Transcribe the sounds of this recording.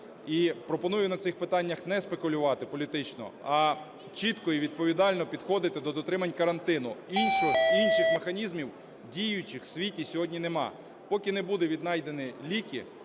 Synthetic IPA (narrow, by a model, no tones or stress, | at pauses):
ipɾɔpɔnujʊnɐt̪sɪxpɪt̪ɑnʲːɐxnɛspekʊlʲʊʋɑt̪ɪpɔlʲit̪ɪt͡ʃnɔ̰ɐ | t͡ʃit̪kɔiʋʲid̪̚pɔʋʲid̪ɑlʲnɔpʲid̪xɔd̪ɪt̪ɪd̪ɔd̪ɔt̪ɾɪmɐnʲkɐɾɐnt̪ɪn̪ʊinʃɔinʃɪxmexɐnʲizmʲiw | dʲijʊt͡ʃɪxsʲʋʲitʲisʲɔɦɔdʲnʲinemɑ̰ | pɔkʲɪnebud̪eʋʲid̪nɑjd̪e̞nɪlʲikʲḭ